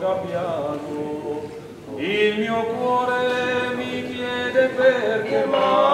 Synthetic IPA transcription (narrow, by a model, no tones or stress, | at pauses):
ɡabjano | ilmiokwɔɾemikjɛd̪eveɾkema